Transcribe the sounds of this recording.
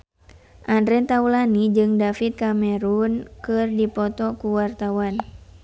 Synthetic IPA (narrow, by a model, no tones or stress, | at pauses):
ʔandɾɛnt̪aulanid͡ʒɨŋdafit̪̚kamɛɾunkɨrdipɔt̪ɔkuwart̪awan